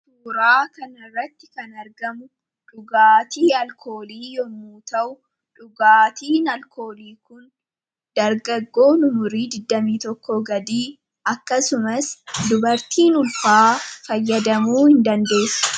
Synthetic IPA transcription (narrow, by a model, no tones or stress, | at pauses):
fuːɾaːkɐnɐrːɐt̪ːɪ̥kɐnɐɾɡɐmʊ | ᶑʊɡaːt̪iːɐlkʰo̞ːliːjɔmuːt̪ɐʔʊ | ᶑʊɡaːt̪iːnɐlkoːliːkʊn | d̪̥ɐɾɡɐɡːo̞ːnʊmʊɾiːd̪ɪd̪ːɐmiːt̪ɔkːɔɡɐd̪iː | ɐkːɐsʊmɐsd̪ʊbɐɾt̪iːnʊlfaːfɐjːɐd̪ɐmuːhɪnd̪ɐnd̪e̞ːsːɐ̥